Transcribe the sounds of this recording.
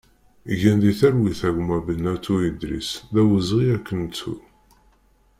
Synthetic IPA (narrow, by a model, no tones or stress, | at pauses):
ʝænðiθæɾwiθæɡmæbənːæt̪ːuid̪ɾḭsðæwəzʁiækːənt͡sṵ